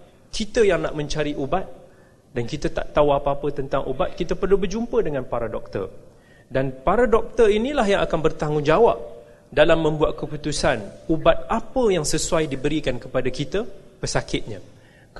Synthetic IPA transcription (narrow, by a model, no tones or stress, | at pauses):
kʰit̪əjaŋna̰ʔmə̃ɲt͡ʃaɾiʔubat̪̚ | dankit̪at̪a̰ʔt̪auapaːpət̪ənt̪aŋʔubat̪̚kit̪əpərlubərd͡ʒumpədəŋãnpaɾadɔk̚t̪ə̰r | danpaɾadɔk̚t̪əinĩlaɦjaŋʔakanbərt̪aŋʊnd͡ʒawap̚ | dalamːə̃mbuat̪̚kəput̪usanubat̪̚apəjaŋsəsuajdibəɾikankəpadakit̪əpəsakɪt̪̚ɲã